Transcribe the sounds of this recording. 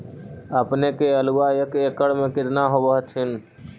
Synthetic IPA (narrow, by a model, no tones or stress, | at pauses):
əpnekeəlʊwaːjəkeːkəɽmẽkɪt̪naɦoʋəɦt̪ʰɪn